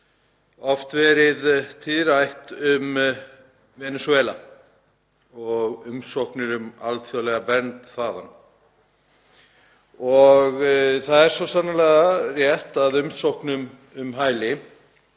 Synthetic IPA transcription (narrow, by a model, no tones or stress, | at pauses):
ɔft̪vɛːɾɪðt̪ʰɪðɾajht̪ʏm | vɛnɛswɛːla | ɔɣʏmsowhknɪɾʏma̰lt̪fjɔwlɛɣapɛnt̪θaːðanː | ɔɣθaðɛɾsvɔsanːalɛːɣarjɛht̪aðʏmsowhknʏm | ʏmɦaːjlɪ